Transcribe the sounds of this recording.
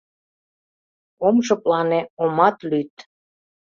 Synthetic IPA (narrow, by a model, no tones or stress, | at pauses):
omʃə̆plɑneomɑt̪lyt̪̚